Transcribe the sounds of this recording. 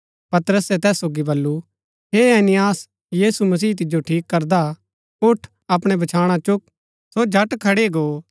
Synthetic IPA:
pɐt̪əɾəsɛt̪ɛːsːoːɡibɐlːu | ɦeːeːnɪjaːs | jiːsumɐs̬iːt̪̬ɪd͡ʒoʈʰiːkːɐɾd̪a | ʊʈʰ | ɐpɽ̃ebɐt͡ʃʰaːɽ̃at͡ʃʊk̚ | sod͡ʒʱɐʈkʰɐɽeɡoː

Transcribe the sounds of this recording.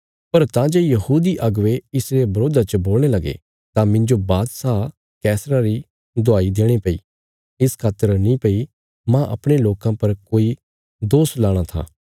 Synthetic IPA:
pɐɾt̪ãd͡ʒeːjɐɦuːd̪iʔɐɡʋeɪsɾebɐɾoːd̪at͡ʃəboːl̃elɐɡḛ | t̪ãmɪ̃ɲd͡ʒobaːt̪saː | kɛːsɾaɾi | d̪ʊaːid̪eːɽ̃epɐḭː | ɪskʰaːt̪əɾnĩpɐi | mãʔɐ̰pɽ̃eloːkãpɐɾkoːi | d̪oːslaːɽ̃at̪ʰa̰ː

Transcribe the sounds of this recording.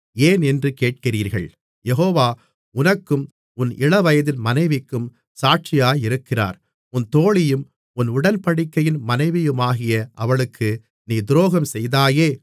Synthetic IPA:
eːnɛndrɯkeːʈ̚kɪriːɾɣɐ̰ɭ | jɛɦoːʋaː | ʊnɐkːɯm | ʊnɪ̰ɭɐʋɐjɐðɪnmɐnɐɪʋɪkːɯm | saːʈ̚t͡ʃɪjaːjɪɾɯkːɪra̰ːɾ | ʊnt̪oːɭɪjɯm | ʊnʊɽɐnpɐɽɪkːɐjɪnmɐnɐɪʋɪjɯmaːɣɪjɐʔɐʋɐɭɯkʰːɯ | niːd̪ʊɾoːɣɐmsɛjðaːjeː

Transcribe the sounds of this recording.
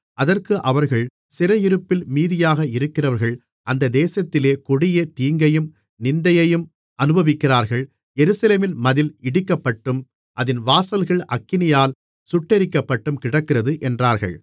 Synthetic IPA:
ʔɐðɐrkɯʔɐʋɐɾɣɐɭ | sɪɾɐjɪɾɯpːɪlmiːðɪjaːɣɐɪɾɯkːɪrɐʋɐɾɣɐɭ | ʔɐnd̪ɐd̪eːsɐt̪ːɪleːkʊɽɪjɐt̪iːŋɡɐjɯm | nɪnd̪ɐjɐjɯm | ɐnɯbɐʋɪkːɪraːɾɣɐɭ | jɛɾɯsɐleːmɪlmɐðɪlɪɽɪkːɐpːɐʈːɯm | ʔɐðɪnʋaːsɐlɣɐɭʔɐkːɪnɪjaːl | sʊʈːɛɾɪkːɐpːɐʈːɯmkɪɽɐkːɪrɐðɯʔɛndraːɾɣɐ̰ɭ

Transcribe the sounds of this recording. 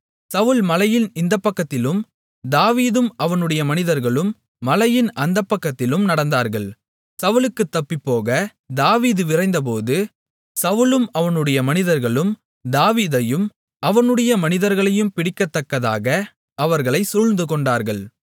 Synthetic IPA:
sɐʋɯlmɐlɐjɪnɪnd̪ɐpːɐkːɐt̪ːɪlɯm | d̪aːʋiːðɯmɐʋɐnɯɽɐjɐmɐnɪðɐɾɣɐɭɯmː | ɐlɐjɪnʔɐnd̪ɐpːɐkːɐt̪ːɪlɯmnɐɽɐnd̪aːɾɣɐɭ | sɐʋɯlɯkːɯt̪ːɐpːɪpːoːɣɐ | d̪aːʋiːðɯʋɪrɐɪnd̪ɐp̬oːðɯ | sɐʋɯlɯmɐʋɐnɯɽɐjɐmɐnɪðɐɾɣɐɭɯm | d̪aːʋiːðɐjɯm | ɐʋɐnɯɽɐjɐmɐnɪðɐɾɣɐɭɐjɯmpɪɽɪkːɐt̪ːɐkːɐða̰ːɣɐ | ɐʋɐɾɣɐɭɐɪsʊɻnd̪ɯkɔɳɖaːɾɣɐɭ

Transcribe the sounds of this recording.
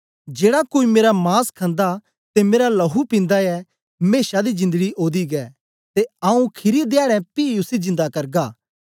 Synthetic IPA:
d͡ʒeːɽakoːimeːɾamaːskʰɐ̃nd̪a | t̪emeːɾalɐɦupɪ̃nd̪aɛ | meːʃad̪izɪ̃nd̪əɡiʔoːd̪iɡɛː | t̪eaːũkʰɪɾied̪jaːɽɛ̃piʊsizɪ̃nd̪akɐɾɡaː

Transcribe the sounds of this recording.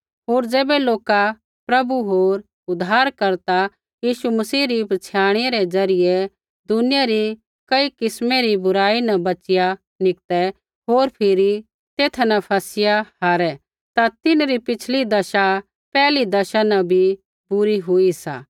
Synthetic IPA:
ɦoːɾd͡zeːbɛloːka | pɾɐbuɦoːɾ | ʊd̪ʱːaːɾkɐɾt̪a | jiːʃumɐsiːɾipɐt͡sʰjaːɽ̃eɾɛd͡zɐɾɪjɛ | d̪ʊnɪjaɾi | kɐikɪsmeɾibʊɾaːinɐbɐt͡ʃɪja | nɪk̚t̪ɛ | ɦoːɾpʰɪɾi | t̪eːt̪ʰnɐpʰɐsɪjahaːɾɛ | t̪at̪ɪnɾipɪt͡ʃʰlid̪ɐʃa | pɛːlid̪ɐʃanɐ̃bʱi | bʊɾiɦʊisa̰ː

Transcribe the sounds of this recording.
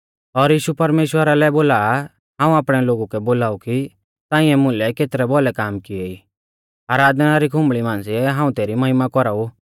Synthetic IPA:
ɔɾjiːʃupɐɾmeːʃwəɾalɛboːlaːa | ɦãːũaːpɽ̃ɛloːɡukɛboːlaːuki | t̪ãːɪ̃ɛmʊ̃lɛkeːt̪ɾɛbɔlɛkaːmkɪeiː | aːɾaːd̪ʱnaɾikʰʊ̃mbɭimãːnsiɛɦãːũt̪eːɾimɐɦɪmakɔɾau

